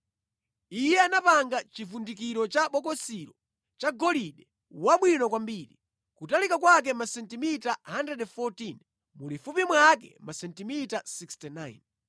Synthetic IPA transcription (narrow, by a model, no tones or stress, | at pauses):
ijɛanapaŋɡat͡ʃifundik̬iɾɔt͡ʃaɓɔkɔsiɾɔ | t͡ʃaɡɔliɗɛ | waɓwinɔkwambiːɾḭ | kutalikakwak̬ɛmasɛntimitaɦandɛdɛfɔtin | mulifupimwak̬ɛ̰masɛntimitasikstinajn